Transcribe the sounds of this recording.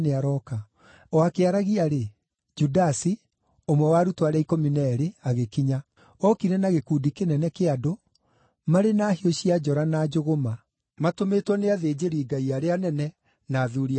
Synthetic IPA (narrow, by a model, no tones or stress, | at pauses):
neaɾɔka | ɔakeaɾaɣiaɾe | d͡ʒudasi | omwɛwaɾutwaɾɛikɔminɛɾeaɣekiɲa | ɔkiɾɛnaɣekuːdikenɛnɛkeado | maɾenaːhioɕiad͡ʒɔɾanad͡ʒoɣoma | matometwɔneaðeːd͡ʑeɾiːɡaiaɾeanɛnɛ | naːðuɾia